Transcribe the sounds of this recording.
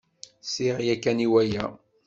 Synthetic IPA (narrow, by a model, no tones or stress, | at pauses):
siʁjækːæniwæjæ